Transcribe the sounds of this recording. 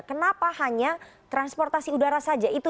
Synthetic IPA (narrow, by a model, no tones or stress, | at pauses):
kənapahaɲat̪ɾanspɔrt̪asiudaɾasad͡ʒait̪u